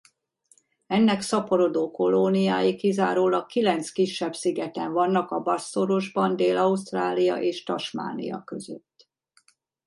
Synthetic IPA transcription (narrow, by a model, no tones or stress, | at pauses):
ɛnːɛksɒpo̞ɾo̞d̪oːko̞lonijaːjikizaːɾoːlɒkilɛnt̪skiʃːɛbsiɡɛt̪ɛɱvɒnːɒkɒbɒsːoɾo̞ʒbɒnd̪eːlɒust̪raːlijɒ̰ʔeːʃt̪ɒʃma̰ːnḭjɒ̰kø̞zøt̪ː